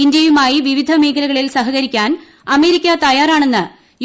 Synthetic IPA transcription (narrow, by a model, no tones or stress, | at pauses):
indjɐjumaːjiʋiʋid̪ʱɐmeːkʰɐlɐɣɐɭilsɐɦɐɣɐɾikʲːaːn | ɐme̞ːɾikʲːɐt̪ɐjaːraːɳe̞nːɨ | j